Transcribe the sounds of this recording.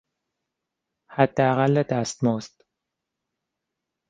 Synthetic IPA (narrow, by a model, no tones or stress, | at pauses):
hæd̪ːeæɣælːed̪æst̪mɔːst̪